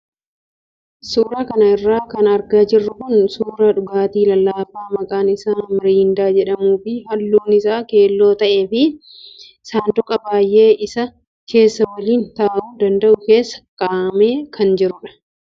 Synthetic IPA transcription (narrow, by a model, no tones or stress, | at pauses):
suːɾaːkɐnɐɪrːaːkɐnɐɾɡaːd͡ʒɪrːʊkʊnsuːɾɐᶑʊɡaːt̪iːlɐlːaːfaːmɐkʼaːnɪsaːmɪɾiːnd̪aːd͡ʒɛᶑɐmuːfɪɦɐlːuːnɪsaːke̞ːlːo̞ːt̪ɐʔe̞ːfɪ | saːnd̪ʊkʼɐbaːjʔe̞ːʔɪsɐ | ke̞ːsːɐwɐliːnt̪aːʔuːd̪ɐnd̪ɐʔʊke̞ːsːɐ̥kʼaːme̞ːkʰɐnd͡ʒɪɾʊᶑɐ̥